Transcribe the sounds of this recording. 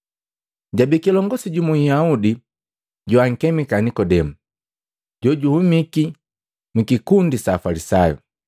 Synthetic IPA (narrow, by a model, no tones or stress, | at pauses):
ɟabikilɔŋɡɔsiɟumujaudi | ɟuaŋ̩kɛmikanikɔdɛmu | ɟɔɟuhumiki | mikikundisaːfalisajɔ̰